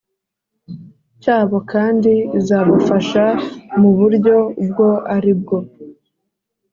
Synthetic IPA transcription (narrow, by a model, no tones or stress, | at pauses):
caːβo̞kʰaːndizaβafaʃamuβuɾɟo̞b̚ɡo̞aɾib̚ɡo̞